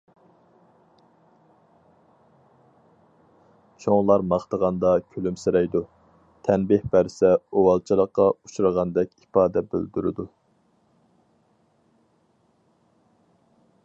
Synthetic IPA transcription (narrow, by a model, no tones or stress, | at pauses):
t͡ʃʰoŋlˠɑɾmɑχt̪əʁɑnd̪ɑkʲʰølymseɾɛjd̪u | t̪ʰɛnbɪhbæɾsɛowɑlˠt͡ʃʰilˠəqːɑuʃuɾəʁɑnd̪ɛkʲipɑːd̪ɛbø̰ld̪yɾɪ̰d̪u